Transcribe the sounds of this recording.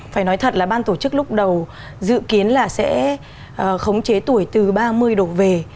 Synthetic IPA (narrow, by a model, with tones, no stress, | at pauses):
faː˧˩jnɔ˨˦jt̪ʰə˨˩t̚laː˨˩ɓaː˧nt̪o˧˩t͡ɕɨ˦˥k̚lʊ˦˥k͡p̚ɗə˨˩w | zɨ̰˧˨ki˨˦ənlaː˨˩sɛ̰˧˥ | ʔːxə˨˦wŋ͡mt͡ɕe˨˦t̪u˧˩əjt̪ɨ˨˩ɓaː˧mɨ˧əjɗo˨˩ve˨˩